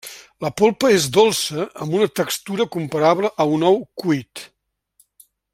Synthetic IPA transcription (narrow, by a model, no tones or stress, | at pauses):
ləpolˠpəezd̪olˠsəə̰mbunət̪əkst̪uɾəkumpəɾaβləʔəunɔwkuit̪